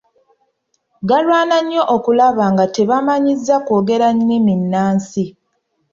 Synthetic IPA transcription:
ɡalwaːnaɲːo̞ʔokulaβaːŋɡate̞βamaɲizːakoːɡe̞ɾaɲːiminːaːnsi

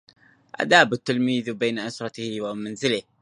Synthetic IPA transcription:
ʔa̰d̪aːbɪt̪ːɪlmiːðbaːnaʔasɾˤɑt̪hwamanzɪlɪh

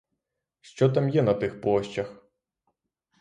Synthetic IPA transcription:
ʃt͡ʃɔt̪amjɛnɐt̪ɪxplˠɔʃt͡ʃɐx

